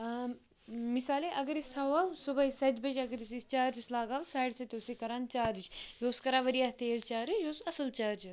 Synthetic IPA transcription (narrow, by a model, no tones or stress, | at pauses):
misaːleʔɐɡɐɾisʰawaːwsubɐɦisɐt̪ʲbɐd͡ʒɐɡɐɾisist͡ʃaːɾt͡ʃislaːɡaːwsaːjɽsɐt̪ʲoːsikɐɾaːnt͡ʃaːɾit͡ʃjoːskɐɾaːʋɐɾijaːt̪eːlt͡ʃaːɾijoːsɐsɐlt͡ʃaːɾt͡ʃi